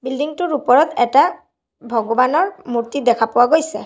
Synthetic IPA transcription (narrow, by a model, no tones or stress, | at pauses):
bildiŋtʊɹupɔɹɔtɛta | bʱɔɡɔbanɔɹmuɹtidɛkʰapʊwaɡojsɛ